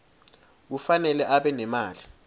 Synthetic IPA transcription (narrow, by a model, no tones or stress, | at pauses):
k̬ufanɛlɛʔaɓɛnɛmaːli